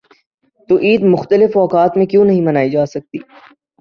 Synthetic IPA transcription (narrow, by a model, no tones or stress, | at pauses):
t̪oʔiːd̪mʊxt̪əlɪfɔːkaːt̪mẽkjõːnɐɦĩmɐnaːid͡ʒaːsɐk̚t̪ḭː